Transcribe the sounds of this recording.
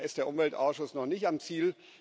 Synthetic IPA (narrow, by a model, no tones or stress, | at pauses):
ɪstd̥eːɐʊmvɛltʔa̰ʊsʃʊsnɔχnɪçtamt͡siːl